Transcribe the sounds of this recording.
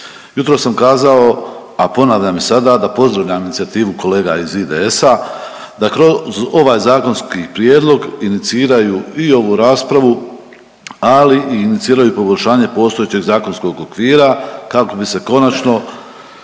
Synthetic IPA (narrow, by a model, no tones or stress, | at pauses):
jut̪ɾo̞sːamkaːzao̞ | apo̞naːʋʎamisad̪aːd̪apo̞zd̪ɾaʋʎʲaminit̪iat̪iːʋuko̞le̞ːɡa̰izid̪ḛe̞sa | d̪akɾozo̞ʋaːjzaːko̞nskipɾijeːd̪lˠo̞ɡinit̪siːɾajuio̞ʋuɾaːspɾaʋu | aliʔiːnit̪siːɾajupo̞boʎʲʃaːɲe̞po̞st̪o̞jet͡ɕeɡzaːko̞nsko̞ɡokʋiːɾakako̞bise̞ko̞nat͡ʃno̞